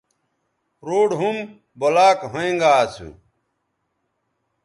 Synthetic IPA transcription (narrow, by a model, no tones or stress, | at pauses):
ɾoːɽɦum | bolaːkɦoẽŋɡaːt͡sʰṵ